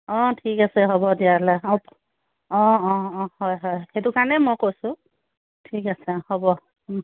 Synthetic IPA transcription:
ɔ̃tʰikasɛɦɔbɔdialɛɔp | ɔ̃ɔ̃hɔjɦɔjhetukanɛmɔjkojsʊ̃ | tʰikasɛhɔbɔ

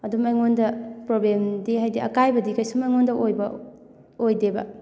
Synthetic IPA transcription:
ɐdumajŋondɐpɾoblemdiɦajdiʔɐ̰kajbɐdikɐjsumajŋondɐʔojbɐ | ojdebɐ̰

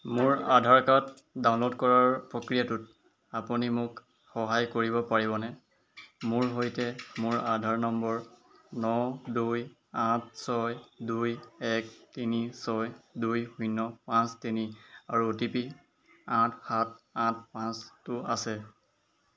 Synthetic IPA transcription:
mʊɹadʱaɹkat | daw̃nlodkɔɹaɹpɹokɹijatʊt | apunimʊk | xɔɦajkoɹibɔpaɹibɔnɛ | mʊɹɦojtɛmʊɹadʱaɹnɔmbɔɹnɔduj | ãt̚ʰsɔjdujɛk̚tinisɔjdujhunːɔpãstiniaɹutipi | ãtʰxat̚ãt̚ʰpãstʊasɛ

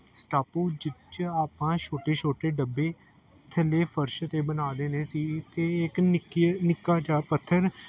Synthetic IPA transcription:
sʈaːpuːd͡ʒɪt͡ʃaːpãːʃʰoːʈeːt͡ʃʰoːʈeːɖəbːeː | t̪ʰəleːpʰəɾʃt̪eːbənaːd̪eːneːsiːt̪eːɪkɪknɪkːaːd͡ʒaːpət̪ʰːəɾ

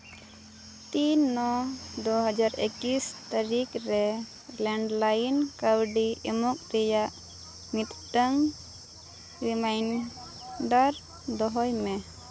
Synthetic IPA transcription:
t̪inːɔd̪oɦəd͡ʒaɾḛkist̪aɾikɾɛ | lɛɳɖlajnkawɖiɛmɔk̚ɾɛjaʔ | mit̪ʈəŋ | ɾimajn | ɖaɾ | d̪ɔɦɔjmɛ

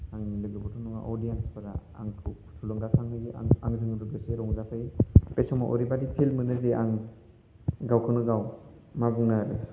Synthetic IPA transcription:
aŋlɯɡɯbɔtʰɔnɔŋa̰ʔɔdijanspʰɯɾaa̰ŋʰu | tʰulɔŋɡatʰaŋnɯɡiaaŋzɯŋdɯɡɯseɾɔŋzapʰɯjpesɔma̰ʔɔ̰ɾibadipʰilmɯnɯzeʔaŋ | ɡawkʰɯnɯɡaw | mabɯŋnaɾɯ

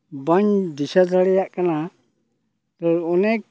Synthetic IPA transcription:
baɲdisad̪aɽɛjaʔkana | t̪ɔɾɔnɛk̚

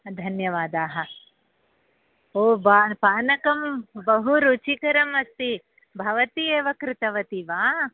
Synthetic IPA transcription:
d̪ʱɐnjɐʋaːd̪aːɦɐ̆ | oːbaːpaːnɐkɐmbɐɦuɾuːt͡ʃikɐɾɐmɐst̪i | bʱɐʋɐt̪ieːʋɐkɾɪt̪ɐʋɐt̪iʋaː

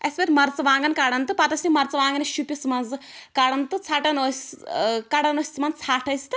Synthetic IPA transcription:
ɐsʲbɐt̪ʲmɐɾt͡sɐʋãːŋɡɐnkaɽɐnt̪ɨpɐt̪ɐsʲnʲimɐɾt͡sɐʋaːŋɡɐniʃupʲismɐnz | kaɽɐnt̪ɨt͡sʰaːʈɐnoskɐɽɐnosʲsmɐnt͡sʰaːʈʰɐsi̥t̪ɨ

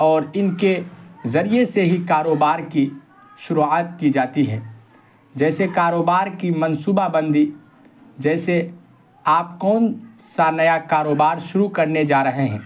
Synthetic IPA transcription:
ɔːɾɪnkezɐɾijeseɦikaːɾoːbaːɾki | ʃʊɾuaːt̪kid͡ʒaːt̪iɦɛː | d͡ʒɛːsekaːɾoːbaːɾkimɐ̃nsuːbabə̃nd̪ʱi | d͡ʒɛːse | aːpkɔːnsanɐjakaːɾoːbaːɾʃʊɾukɐɾned͡ʒaːɾɐɦeɦɛ̰̃ː

